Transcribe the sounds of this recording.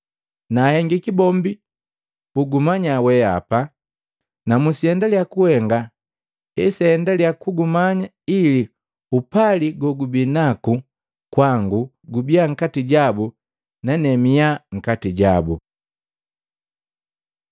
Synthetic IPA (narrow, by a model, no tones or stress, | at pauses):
nahɛŋɡikibɔmbi | b̥uɡumaɲawɛa̰pa | namusiɛndaljakuhɛŋɡa | ɛsɛndaljakuɡumaɲa | ili | upaliɡɔɡubinaku | kwaŋɡu | ɡubiaŋ̩katiɟabu | nanɛmiaŋ̩katiɟabu